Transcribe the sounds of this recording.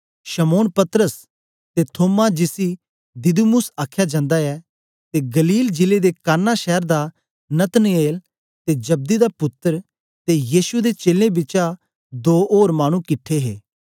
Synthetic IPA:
ʃəmoːnpɐt̪əɾəs | t̪et̪ʰoːmad͡ʒɪsi | d̪ɪd̪umʊsaːkʰːjad͡ʒãːnd̪aɛ | t̪eɡɐliːld͡ʒɪled̪ekaːnːaʃɛːəɾd̪a | nɐt̪neːl | t̪ed͡ʒɐb̚d̪id̪apʊt̪ːəɾ | t̪ejiːʃued̪et͡ʃeːlẽbɪːt͡ʃa | d̪oːʔoːɾmaːɽ̃ũkɪʈʰːeɦḛː

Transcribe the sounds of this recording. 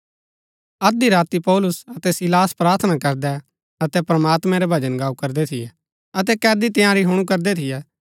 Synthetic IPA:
ɐd̪iɾaːt̪ipɔːlʊsɐt̪ɛsɪlaːspɾaːɾt̪ʰnakɐɾd̪ɛ | ɐt̪ɛpɾɐmaːt̪mɛ̃ɾɛbʱɐd͡ʒənɡaːukɐɾd̪ɛt̪ʰɪjɛ | ɐt̪̬ɛkɛːd̪it̪ẽjãɾiɦʊɽ̃ukɐɾd̪ɛt̪ʰɪjɛ

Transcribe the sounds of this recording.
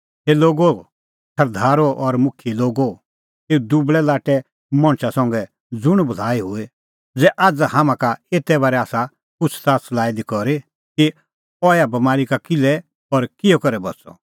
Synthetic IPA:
heloːɡo | sɐɾd̪ʱaːɾoʔɔɾmʊkʰiloːɡo | eːud̪ubɭɛlaːʈɛ | mɔ̃ɽ̃t͡ʃasɔ̃ŋɡɛ | d͡zʊɽ̃bɐl̤aːiɦʊe | d͡zɛʔaːd͡zahamãkaeːt̪ɛbaːɾɛaːsa | kʊt͡ʃʰt̪aːslaːid̪ikɔɾi | ki | ɔjabɐmaːɾikakɪlɛ | ɔɾkɪjɔkɐɾɛbɐt͡sɔ̰

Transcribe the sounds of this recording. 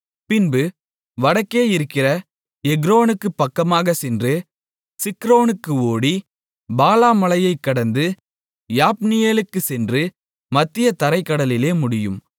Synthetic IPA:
pɪnbɯ | ʋɐɽɐkːeːɪɾɯkːɪrɐ | ɛɡɾoːnɯkːɯpːɐkːɐmaːɣɐsɛndrɯ | sɪkɾoːnɯkːɯoːɽi | baːlaːmɐlɐjɐɪkːɐɽɐnd̪ɯ | jaːpnɪjeːlɯkːɯsɛndrɯ | mɐt̪ːɪjɐt̪ɐɾɐɪkːɐɽɐlɪleːmʊɽɪjɯm

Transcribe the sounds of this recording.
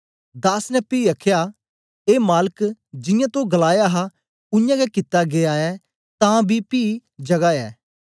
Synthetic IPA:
d̪aːsnɛpiːɐkʰja | eːmaːləkd͡ʒɪ̃jãt̪oɡɐlaːjaɦa | ʊjãɡɛkɪt̪ːaɡeaːɛ | t̪ãːbʱipiːd͡ʒɐɡaɛ̰ː

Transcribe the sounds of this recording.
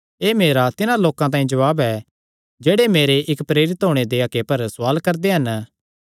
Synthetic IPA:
eːmeːɾat̪ɪnãloːkãt̪̬ãːĩd͡ʒɐʋaːbɛ | d͡ʒeːɽemeːɾeʔɪkpɾeːɾɪt̪ɦoːɽ̃ed̪eɐkepɐɾsʊwaːlkɐɾd̪eɦɐn

